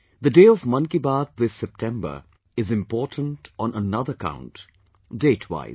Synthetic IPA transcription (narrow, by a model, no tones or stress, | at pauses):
d̪əɖeːɔvmʌ̃nkibaːd̪̚ðɪsːɛp̚ʈʰɛ̃mbə̰˞ | ɪzɪ̃mpɔːʈʰə̃n̩tɔ̃nənʌðəəkã̰ʊ̃nt | deːtʰwa̰ɪz